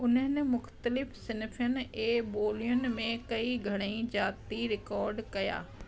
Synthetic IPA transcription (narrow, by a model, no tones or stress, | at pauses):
ʊnə̃nemʊxt̪əlɪpʰsɪnɪpʰəneːboːlɪjənmẽkəiɡʱɐɽ̃ĩd͡ʒaːt̪iɾɪkɔːɾɖkɐja̰ː